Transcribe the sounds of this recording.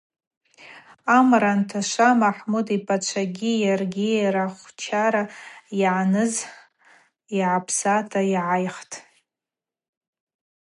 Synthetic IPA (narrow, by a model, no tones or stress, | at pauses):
amɾantʰaʃamaħmudipʰʼat͡ʃʷʰaɡʲijarɡʲiaɾaχʷt͡ʃʰaɾajʕanɨz | iʕapʰsatʰajʕajχtʼ